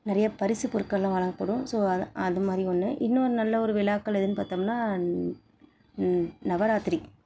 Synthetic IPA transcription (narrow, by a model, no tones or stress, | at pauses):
nɪɾɐjɐpɐɾɪsɯpʊɾɯkːɐlːãːʋɐɭɐŋɡɐpːɐɽɯ̃soːɐðɯmaːðɾiɔnːɯʔɪnːoɾɯnɐlːɐɔɾɯʋɪlaːkːɐlɪðɯnːɯpaːɾt̪aːmnːaː | nɐʋɐɾaːt̪ɪɾi